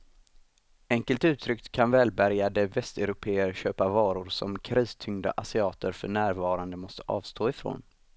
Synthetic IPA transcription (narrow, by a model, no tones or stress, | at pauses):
ɛŋkəlt̪ʉ̟ːt̪ʰɾʏkt̪kʰanvɛːlbæɾjad̪əvɛst̪ɛɾʊpʰeːəɾɕøːpavɑːɾʊɾsɔ̰mkʰɾiːst̪ʰʏŋd̪a̰ʔasɪɑːt̪əɾfœɳæːɾvɑːɾand̪əmɔst̪ə̥ʔɑ̰ːvst̪ʰoːɪfɾo̰ːn